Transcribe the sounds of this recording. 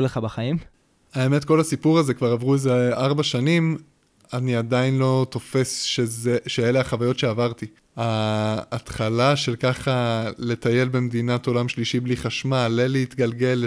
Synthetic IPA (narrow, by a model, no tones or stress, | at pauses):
leχabaχaim | aeme̞tko̞lasipuʁaze̞kvaʁavʁuezeʔaʁbaʃanim | aniadainlo̞t̪o̞fe̞sʃezeʃeeleaχavajo̞tʃe̞avaʁt̪i | haː | tχalaʃe̞lkaχale̞t̪aje̞lbe̞md̪inato̞lamʃliʃibliχaʃmaleleit̪ɡalɡe̞l